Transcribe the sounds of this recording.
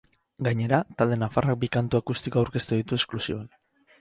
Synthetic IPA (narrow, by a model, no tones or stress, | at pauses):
ɡaɲe̞ɾat̪ald̪e̞nafarak̚bikant̪uakust̪ikoawɾke̞st̪uðit̪ue̞sklusioan